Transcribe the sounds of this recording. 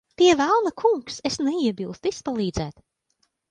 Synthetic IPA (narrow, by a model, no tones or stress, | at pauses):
t̪iɛvælˠnakʰuŋksesnɛiɛbilˠst̪ispalˠiːd̪zæːt̪